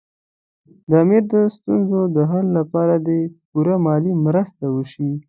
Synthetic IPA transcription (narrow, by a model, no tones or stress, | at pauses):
d̪əamiɾd̪əst̪unzod̪əɦalːapɑɾad̪epuɾamɑlimɾəst̪awəʃi